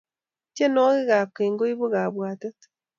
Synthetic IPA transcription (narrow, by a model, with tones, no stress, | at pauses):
t͡ʃe˦no˦ɣe˦ɣa˨keː˨ŋɡo˦i˦βu˦ɣa˨βwaː˨ta˦t